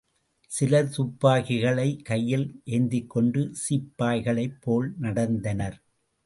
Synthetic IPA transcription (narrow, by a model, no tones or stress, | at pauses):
sɪlɐt̪ʊpːaːɣɪɣɐɭɐɪkɐjːɪlʔeːnd̪ɪkːɔɳɖɯsipːaːjɣɐɭɐɪpʰːoːlnɐɽɐnd̪ɐnɐɾ